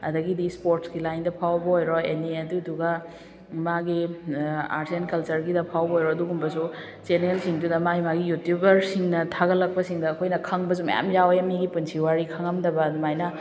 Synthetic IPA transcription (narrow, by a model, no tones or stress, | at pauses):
ɐdɐɡidispoɾtsɡilajndɐpʰawbɐojɾɔeniɐduduɡɐ | maɡi | a̰ɾsenkɐlt͡ʃɐɾɡidɐpʰawbɐojɾɔɐduɡumbɐsu | t͡ʃenelsiŋdudɐmajmaɡijutjubɐɾsiŋnɐtʰaɡɐlɐk̚pɐsiŋdɐːkʰojnɐkʰɐŋbɐs̬umɐ̰ja̰mjawjɐmiɡipunsʰiwaɾikʰɐŋɐmdɐbɐdmajnɐ